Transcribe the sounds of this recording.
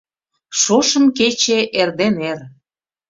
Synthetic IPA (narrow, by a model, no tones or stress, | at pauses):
ʃoʃə̆mket͡ɕeʔerd̪ener